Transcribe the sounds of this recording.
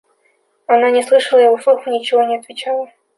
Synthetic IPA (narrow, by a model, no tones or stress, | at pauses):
ananʲɪslˠɨʂəlˠəjɪvoslˠuxʊnʲɪt͡ɕɪvonʲɪɐt̪vʲɪt͡ɕalˠə